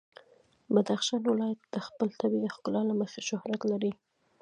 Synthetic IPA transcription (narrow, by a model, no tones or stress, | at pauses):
bad̪axʃɑnwɪlɑjat̪̚d̪̥əxpəlt̪abid̪əxkʊlɑlaməxeʃʊhɾat̪laɾi